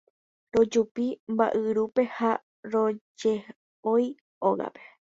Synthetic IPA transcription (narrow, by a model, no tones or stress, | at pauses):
ɾo̞d͡ʒupimba̰ʔɨɾupe̞ha | ɾo̞d͡ʒe | oj | oɣa̰pe̞̥